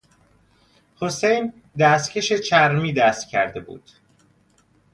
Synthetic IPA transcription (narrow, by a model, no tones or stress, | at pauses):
hosejn | d̪æst̪cʰe̞ʃe̞t͡ʃʰæɾmiːd̪æːst̪cʰːæ̰ɾd̪e̞bṵːd̪̥